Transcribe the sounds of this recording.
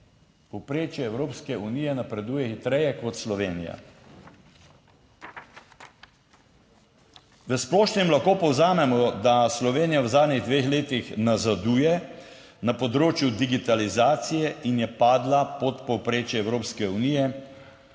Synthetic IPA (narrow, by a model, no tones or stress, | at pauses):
pɔwpɾeːt͡ʃjɛːwɾoːpskɛuniːjɛnapɾɛd̪uːjɛxit̪ɾɛjɛkɔt̪slɔʋeːnija̰ | ʋəsplɔːʃnimlaxkoːpɔwzaːmɛmɔd̪aslɔʋeːnijawzaːd̪niɣd̪ʋeːxleːt̪ixnazad̪uːjɛ | napɔd̪ɾoːt͡ʃjud̪iɡit̪alizaːt̪sijɛʔinjɛpaːd̪lapɔt̪pɔwpɾeːt͡ʃjɛɛwɾoːpskɛunijɛ